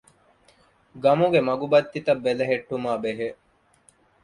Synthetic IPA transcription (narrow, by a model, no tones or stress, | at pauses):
ɡɐmuɡemɐɡubɐt̪ːit̪ɐbːelɐɦeʈːumaːbeɦe